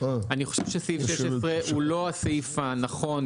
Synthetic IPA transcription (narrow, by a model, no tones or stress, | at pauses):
aaniχoʃevʃesiʃeʃesʁeulo̞aseifanaχo̞n